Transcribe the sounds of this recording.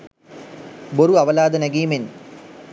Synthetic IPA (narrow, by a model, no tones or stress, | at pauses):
boɾuaʋəlaːd̪ənæɡiːmen